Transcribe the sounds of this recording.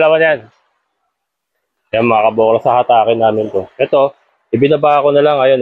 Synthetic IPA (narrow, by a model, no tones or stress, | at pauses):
lamanjan | janmɐŋakɐboːklɐsɐhat̪aːkɪnːaːmɪnt̪o̞ʔɛt̪o̞ | ʔɪbɪnɐbaʔɐko̞nɐlaŋɐjo̞n